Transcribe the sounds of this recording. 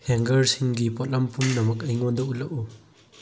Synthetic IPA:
heŋɡɐɾsiŋɡipot̚lɐmpʰumnɐmɐk̬̚ɐjŋondɐʔulɐʔu

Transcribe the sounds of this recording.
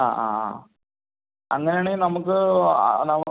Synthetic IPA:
a̰ːʔa̰ː | ɐ̰ŋːɐnejaːɳenɐmukːɨ̰nɐm

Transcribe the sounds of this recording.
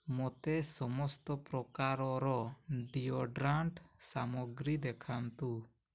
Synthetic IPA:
mɔt̪ɛsɔmɔst̪ɔpɾɔkaɾɔɾɔɖiɔɖɾaɳʈsamɔɡɾid̪ɛkʰant̪u

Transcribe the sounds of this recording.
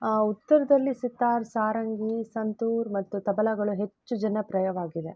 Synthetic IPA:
aːut̪ːɐɾɐd̪ɐlːisit̪ːaːɾsaːɾɐŋɡisɐnt̪uːɾmɐt̪ːut̪ɐbɐlɐɡɐɭuɦe̞t͡ʃːud͡ʒɐnɐpɾɐjɐʋaːɡid̪e̞

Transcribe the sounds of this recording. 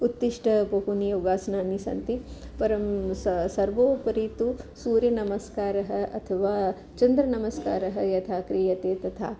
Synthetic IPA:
ut̪ːiʂʈʰɐpɐɦunijoːɡaːsɐnaːnisɐ̰nt̪ipɐɾɐmsɐsɐɾʋoːpɐɾiːt̪usuːɾjɐnɐmɐskaːɾɐɦɐɐt̪ʰɐʋaː | t͡ʃɐnd̪ɾɐnɐmɐskaːɾɐɦɐjɐt̪ʰaːkɾiːjɐt̪eːt̪ɐt̪ʰa̰ː

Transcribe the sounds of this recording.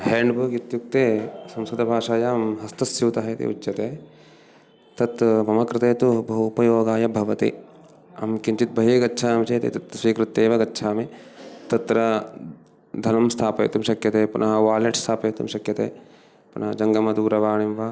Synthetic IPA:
ɦeːɳɖbʱuːkjit̪juk̚t̪eːsɐ̃msɐd̪ɐbʱaːʂaːjamɦɐst̪ɐsjɐʋt̪ɐɦɐt̪ḭṵtːɐt̪eː | t̪ɐt̪mɐmɐkɾɪt̪eːt̪ubɐɦupɐjoːɡaːjɐbʱɐʋɐt̪ḭ | ɐ̰mkiɲt͡ʃit̪̚bʱɐɦeːɡɐtːʃʰaːmt͡ʃeːt̪ḭt̪ɐt̪sʋiːkɾɪt̪ːeːʋɐɡɐtːʃʰaːmet̪ɐt̪ɾɐ | d̪ʱɐnɐmst̪ʰaːpɐ̰ːt̪umʃɐkjɐt̪eːpunʔɐɦɐʋaːleʈst̪ʰaːpɐːt̪ṵmʃɐkjɐt̪ḛː | punɐɦɐd͡ʒɐŋɡɐmɐd̪uːɾɐʋaːɳimʋɐ

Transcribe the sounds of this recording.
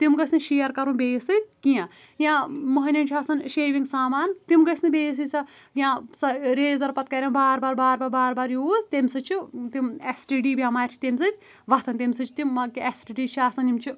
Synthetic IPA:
t̪imɡɐsnɨʃijɐɾkɐɾũnbeːsɨkijã | jãmɐɦɐnʲɐnt͡ʃʰaːsɐnʃeːʋiŋsaːmaːnt̪imɡɐsnɨbeːs̬ɨt͡sʰɐ | jãsɐɾeːzɐɾpɐt̪̚kɐɾʲembaːɾbaːɾbaːɾbaːbaːɾbaːɾjuːzt̪emʲsɨt͡ʃʰit̪imesʈiɖiːbʲjãːmaːt͡ʃʰi̥t̪emʲsɨt̪ʲ | ʋɐt̪ʰɐnt̪emʲsɨt͡ʃʰi̥t̪imːɐkiesʈiɖiːt͡ʃʰiaːsɐnimt͡ʃʰi

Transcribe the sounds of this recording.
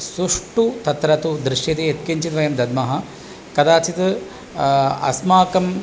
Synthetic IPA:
suʂʈut̪ɐt̪ɾɐt̪ud̪ɾɪʂjɐt̪eet̪̚kiɲt͡ʃit̪ʋɐjɐmd̪ɐd̪mɐɦɐ̆ | kɐd̪aːt͡ʃit̪ | ɐ̰smaːkɐm

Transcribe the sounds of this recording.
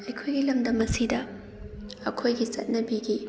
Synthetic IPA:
ɐjkʰojɡilɐmdɐmɐsidɐ | ɐkʰojɡit͡ʃɐ̰t̚nɐbiɡi

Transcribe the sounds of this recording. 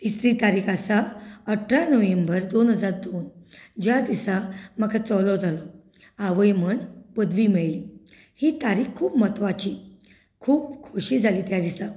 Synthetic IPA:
t̪isɾiːt̪aɾikʰasaəʈʰːɾanəʋembəɾd̪onɦəd͡zaɾ̚d̪ond͡ʑjad̪isamakat͡sɔlɔd͡zʱalɔ | aʋəjm̤əɳbəd̪ʋiːmeɭliː | hiːt̪aɾikʰːuːpmət̪ʋat͡ɕiː | kʰuːpkʰoɕiːd͡zʱaliːt̪jad̪isa

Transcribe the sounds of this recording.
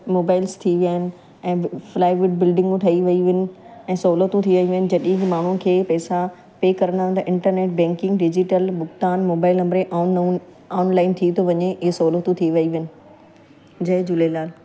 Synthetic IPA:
moːbaːɪlst̪ʰiʋijaːɦɪnɪ̆ | ɛ̃ːflaːɪʋɪɖ̚bɪlɖɪ̃ŋɡũt̪ʰɐiʋɐiʋnɪ̆ɛ̃ːsoːlət̪ũt̪ʰiʋɐiʋɐɪnɪ̆d͡ʑɐɗĩɦmaːɳ̤ũn̆kʰeːpɛːsa | peːkɐɾənãnd̪ɐʔɪ̃ɳʈəɾneːʈ̚bɛ̃ːŋkɪ̃ŋɡɖɪd͡ʑɪʈəlbʊɡt̪aːnmoːbaːɪlɐ̃mɾeʔaːn | aːnlaːɪnt̪ʰit̪ʰoʋɐɲeɪɦesoːlot̪ũt̪ʰiʋɐiʋɪnɪ̆ | d͡ʑɐɦɪ̃d͡ʑʊlelaːl

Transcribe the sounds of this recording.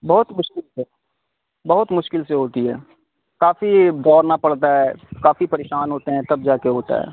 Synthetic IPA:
bɐɦʊt̪mʊʃkɪlse | bɐɦʊt̪mʊʃkɪlseɦoːt̪iɦɛ̰ː | kaːfid̪ɔːɾnapɐɽt̪aɦɛːkaːfipɐɾeːʃaːnɦoːt̪eɦɛ̃t̪ɐb̚d͡ʒaːkeɦoːt̪a̰ɦɛ̰ː

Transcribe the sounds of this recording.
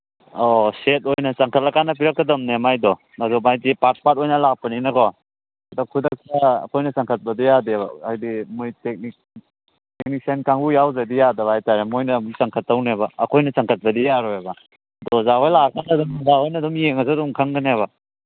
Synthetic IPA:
ɔset̚ojnɐt͡ʃaŋkʰɐt̚lakanɐp̬iɾakːɐdɐmnemajdɔ | adɔmajtipat̚pat̚ojnɐlak̚pɐninɐkɔ | adɔkʰudɐk̚taɐ̰kʰojnɐsaŋkʰɐt̚bɐdijadeba̰ajdimujtek̚nik̚ | tek̚nik̚senkʰaŋɡujawzadijadɐbajtaɾemojnɐmusaŋkʰɐtːawnebaːkʰojnɐsaŋkʰɐt̚bɐdijaɾɔebɐ | dɔzaɦojlakʰanadɔmzaɦojnɐdɔmjeŋɐzadɔmkʰaŋɡɐneβa

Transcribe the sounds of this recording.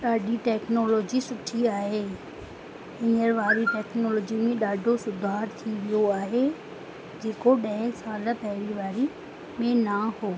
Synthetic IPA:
ɗaːɖʱiʈɛːknoːlɔːd͡ʑisʊʈʰiaːɦeː | ɪ̃əɾʋaːɾiʈɛːknoːlɔːd͡ʑimẽɗaːɖʱosʊd̪ʱaːɾt̪ʰiʋijoaːɦe | d͡ʑeːkoɗɐ̃ɦɪ̃saːləpɛɦɪɾiʋaːɾi | mẽnahoː

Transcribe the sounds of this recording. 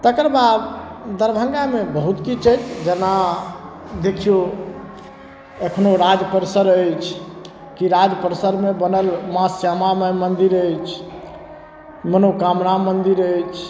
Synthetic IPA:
t̪əkəɾbad̪d̪əɾbʱə̃ŋɡamebəɦut̪kit͡ʃʰəd͡ʒd͡ʒena | d̪ekʰijo | əkʰnoɾad͡ʒpəɾsəɾəjt͡ʃʰ | kiɾad͡ʒpəɾsəɾmebənəlmasjamamemənd̪iɾəjt͡ʃʰ | mənokamnamənd̪iɾəjt͡ʃʰ

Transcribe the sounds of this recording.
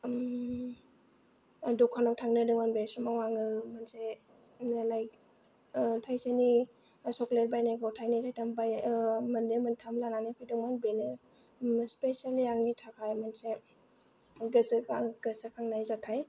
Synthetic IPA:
dɔkʰanɔwtʰaŋnɯdɯŋmanbesɔmawaŋɯmanse | nlaj | tʰajseni | sɔkleɾ̚bajnaɡɔwtʰajnitʰajtʰambajmɐndemantʰamlananipʰijduŋmanbenɯ | spesaliaŋnitʰakʰajmanse | ɡɯsɡɯsakʰaŋnajzatʰaj

